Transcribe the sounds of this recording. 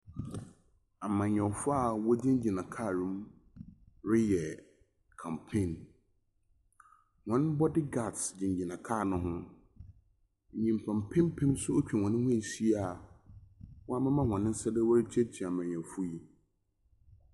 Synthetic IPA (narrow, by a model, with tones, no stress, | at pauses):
a˨mã˨ɲ˨ɔ̃˨fʊ˦a˦˨wɔ˦dɪ̃˦n˦d͡ʑi˨nã˨kʰa˦˨ɾʊ̃˨˦m | ɾɪ˦jɛ˨ | kʰã˨mpʰẽ˦˨n | hɔ̃˨n˦bɔ˦dɪ˦ɡa˦˨tsd͡ʑɪ̃˨ɲ˨d͡ʑi˨nã˨kʰaː˦˨nʊ̃˦ɦʊ̃˦˨ | ɲĩ˨m˨pʰã˨mpʰɪ̃˦m˦pʰɪ̃˦msʊ˦o˦t͡ɕᶣɛ˨hɔ̃˨nɪ̃˦hʊ̃˦˨si˦a˦˨ | wɔ˦a˦mã˦mã˦hɔ̃˨nɪ̃˦n̩˦sɛ˦dɪ˦wɔ˦ɾɪ˦t͡ɕʰɛ˦tʰi˨a˨mã˨ɲ˨ɔ̃˨fʊ˦ji˦